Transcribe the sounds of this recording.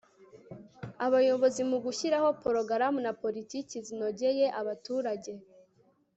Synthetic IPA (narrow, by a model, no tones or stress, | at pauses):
aβajo̞βo̞zimuɡuçiɾaho̞poɾoɡaɾamunapo̞ɾiticizino̞ɟeje̞ʔaβatuːɾaɟe̞